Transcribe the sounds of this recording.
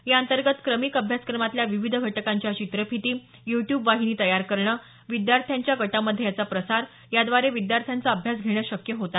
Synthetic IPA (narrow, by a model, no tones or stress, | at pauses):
jaənt̪əɾɡət̪kɾəmikəbʱjaskɾəmat̪ljaʋiʋid̪ʱəɡʱəʈəkaɲt͡ɕjat͡ɕit̪ɾəpʰit̪iː | juʈjubʋaɦiniːt̪əjaɾkəɾɳəː | ʋid̪jaɾt̪ʰjaɲt͡ɕjaɡəʈaməd̪ʱːjejat͡sapɾəsaɾ | jad̪ʋaɾeʋid̪jaɾt̪ʰjant͡saəbʱjasɡʱeɽ̃jaɕəkjəɦot̪a